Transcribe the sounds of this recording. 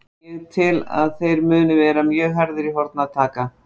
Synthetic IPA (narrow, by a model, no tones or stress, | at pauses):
ɛðt̪ʰɪla̰ðθejɾmʏːnʏvɛːɾamjœːɦaɾðɪɾiɦɔɾt̪̚naðt̪ʰaːka